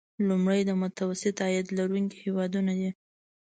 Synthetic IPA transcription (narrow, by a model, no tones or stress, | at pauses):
lumɽəjd̪əmʊt̪awasɪt̪ajad̪laɾuŋki̥hewɑd̪unad̪i